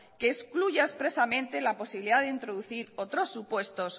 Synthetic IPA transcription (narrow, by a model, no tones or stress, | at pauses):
keːskluʝaespɾe̞samẽ̞nt̪e̞lapo̞siβiliðaðeint̪ɾoð̞uθiɾo̞t̪ɾo̞sːupwe̞st̪o̞s